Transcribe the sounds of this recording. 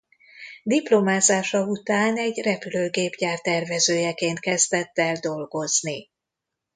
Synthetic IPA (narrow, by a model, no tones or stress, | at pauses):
d̪iplo̞maːzaːʃɒut̪aːnɛɟrɛpyløːɡeːbɟaːrt̪ɛrvɛzøːjɛkeːnt̪̚kɛzd̪ɛt̪ːɛld̪o̞lɡo̞zni